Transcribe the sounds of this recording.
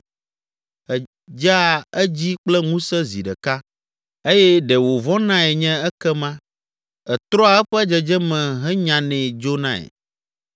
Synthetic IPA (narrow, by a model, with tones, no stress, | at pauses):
ɛ˨ | d͡ʒa˦˨ɛ˦d͡ʑi˦k͡plɛ˦ŋũ˦sɛ˦zḭ˨ɖɛ˨ka˦ | e˦jɛ˦ɖɛ˨wo˨vɔ̃˦nã˦ɛ˨ɲɛ̃˦ɛ˦kɛ˦mã˦ | ɛ˨t̪ɾɔ˦a˨ɛ˦ɸɛ˦d͡ʒɛ˨d͡ʒɛ˦mɛ̃˨ɦɛ˦ɲã˨nɛ̃˨d͡ʒo˦nã̰˦ɛ̰˨